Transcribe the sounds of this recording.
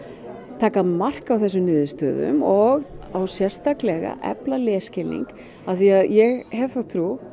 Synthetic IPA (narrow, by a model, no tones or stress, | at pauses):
t̪ʰaːkamar̥kawθɛsːʏnʏːðʏst̪œːðʏ̰mɔɣawsjɛr̥st̪aklɛɣa̰ʔɛ̰plalɛːscɪlḭŋk | aθiaðjɛɣɦɛvθawt̪ʰɾuː